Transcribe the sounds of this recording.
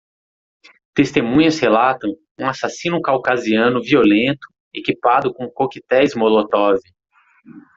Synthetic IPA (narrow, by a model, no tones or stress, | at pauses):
t̪est̪emũɲɐshelat̪ɐ̃w̃ | ũasasĩnʊkawkaziɐ̃nʊviolẽnt̪ʊ̥ | ekipad̪ʊkõkokit̪ɛjzmolot̪ɔvi